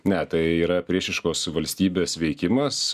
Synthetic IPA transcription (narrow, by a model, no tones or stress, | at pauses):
nʲɛt̪ɐɪiːɾɐpʲɾʲiɛʃʲɪʃkoːsʋɐlʲsʲt̪ʲiːbʲeːsʋʲɛɪkʲɪmɐs